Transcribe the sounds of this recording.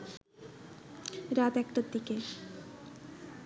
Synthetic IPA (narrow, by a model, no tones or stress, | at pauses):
ɾat̪ɛkʈad̪ike